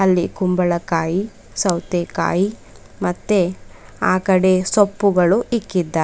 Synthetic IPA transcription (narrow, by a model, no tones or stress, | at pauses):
ɐlːikumbɐɭɐkaːji | sɐwt̪eka̰ːji | mɐt̪ːe | aːkɐɽe̞sopːuɡɐɭuikːid̪ːa